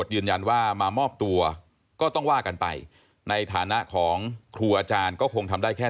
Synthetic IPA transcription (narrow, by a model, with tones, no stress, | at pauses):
t̪̚jɯː˧nja˧nwaː˥˩maː˧mɔː˥˩p̚t̪u˧ɐ | kɔː˥˩t̪ɔ˥˩ŋwaː˥˩ka˧npa̰˧j | na˧jt̪ʰaː˩˦na˦˥ʔkʰɔː˩˦ŋkʰɾuː˧ʔaː˧t͡ɕaː˧nkɔː˥˩kʰo˧ŋt̪ʰa˧mdaː˥˩jkʰɛː˥˩